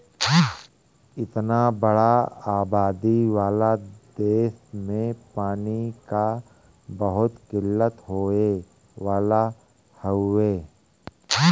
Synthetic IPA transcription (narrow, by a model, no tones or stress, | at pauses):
ɪt̪nabəɽaaːbaːd̪iʋaːlad̪eːsmẽpaːnika | bəɦʊt̪kɪlːət̪ɦoːe | ʋaːla | həeː